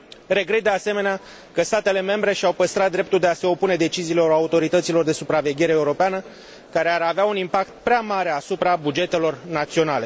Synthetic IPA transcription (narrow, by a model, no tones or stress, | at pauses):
ɾe̞ɡɾe̞t̪̚d̪ease̞me̞nea | kəst̪at̪e̞le̞me̞mbɾe̞ʃiawpəst̪ɾat̪̚d̪ɾe̞p̚t̪uld̪e̞ase̞o̞pune̞d̪e̞t͡ʃiziːlo̞ɾaut̪o̞ɾit̪ət̪silo̞rd̪e̞supɾave̞ɡʲe̞ɾe̞ːuɾo̞peanə | kaɾe̞aɾaveaunimpak̚t̪̚pɾeamaɾe̞asupɾabud͡ʒe̞t̪e̞lo̞rnat̪sio̞nale̞